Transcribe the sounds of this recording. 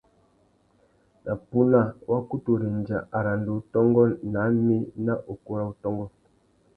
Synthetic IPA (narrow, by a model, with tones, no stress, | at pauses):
na˨pu˦na˦˨wʔa˦ku˦tu˨ɾe˨n˨d͡ʒa˨ʔa˨ɾa˨n˨do˨˦tɔ˦ŋɡɔ˦na˨˦mi˦na˦ʔo˨ku˦ɾa˦u˨tɔ˦ŋɡɔ˦